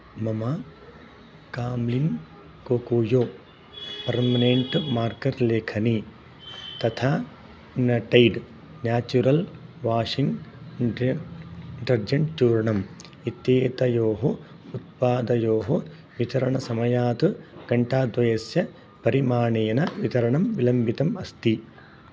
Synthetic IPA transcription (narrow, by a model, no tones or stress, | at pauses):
mɐmɐ | kaːmlin | koːkuːjoː | pɐɾmɐneɳʈmaːɾkɐɾleːkʰɐni | t̪ɐt̪ʰaː | nɐʈɐjɖ | njaːt͡ʃuɾɐlʋaːʂiŋɡ | ʈɐɾd͡ʒɐɳʈt͡ʃuːɾɳɐm | it̪jeːt̪ɐjoːɦo | ut̪̚paːd̪ɐjoːɦo | ʋit̪ɐɾɐɳɐsɐmɐjaːt̪ɨɡ̥ɐɳʈaːd̪ʋɐjɐsjɐ | pɐɾimaːɳeːjɐnɐʋit̪ɐɾɐɳɐmʋilɐmbit̪ɐmɐst̪i